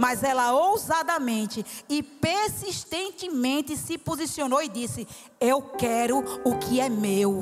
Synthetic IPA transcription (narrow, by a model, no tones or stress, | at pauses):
mɐzɛlɐowzad̪ɐmẽnt̪ɪɪpeɾsiʃt̪ẽnt̪ɪmẽnt̪ɪsɪpozisionowɪd̪isɪ | ewkɛɾʊʊkɪɛmew